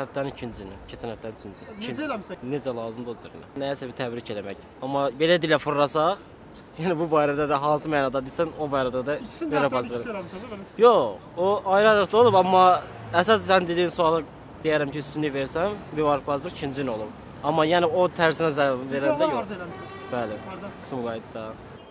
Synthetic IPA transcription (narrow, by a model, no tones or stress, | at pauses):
hæft̪ænnicʰind͡ʒinḭcʰet͡ʃʰinhæft̪ænyt͡ʃʰind͡ʒiine̞d͡ʒælˠɑːzɯmd̪ozḭɾ̰nḭnæsæbit̪ʰæbɾicʰelæmæ̰c | ɑmːɑbe̞læd̪ilæfuɾɾɑsɑχ | jæːnibubɑːjɾæd̪æd̪æɦɑːsɯmæːnɑd̪ɑd̪isæno̞bɑːjɾæd̪æd̪æeɾɑpɑzɯe | joχ | oɑjɾɑɾɯχd̪o̞lˠubɑmːɑ | æs̬ɑssænd̪ed̪iːinsuɑlˠɯ | d̪̥ejæɾæmcʰiyst̪ynliveɾsæmbivɑɾkpɑzˠɯχcʰind͡ʒino̞lˠub | ɑmːɑjæniot̪ʰæɾɾsinæzæveɾænd̪æjoχ | b̥ælsumɡɑjid̪d̪ɑ